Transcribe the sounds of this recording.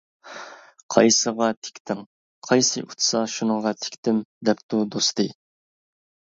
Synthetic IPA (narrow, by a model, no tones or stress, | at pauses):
qʰɑ̰jsəʁɑt̪ʰe̥kʲt̪ʰɪŋ | qʰɑjsɨʔut̪ʰsɑʃunəŋʁɑt̪ʰe̥kʲt̪ɪmd̪ɛpt̪ud̪ost̪ʰɨ